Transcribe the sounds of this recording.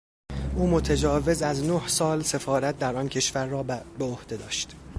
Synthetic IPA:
ʔuːmot̪ʰed͡ʒɒːve̞zæznohsɒːlse̞fɒːɾæt̪̚ʰd̪æɾɒncʰe̞ʃvæɾːɒːbeohd̪̥e̞d̪ɒːʃt̪

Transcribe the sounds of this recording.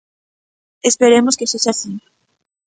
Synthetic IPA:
espeɾemoskesoʃasi

